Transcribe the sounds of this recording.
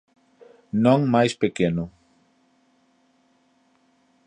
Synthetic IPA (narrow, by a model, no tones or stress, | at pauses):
nõŋmajspekenʊ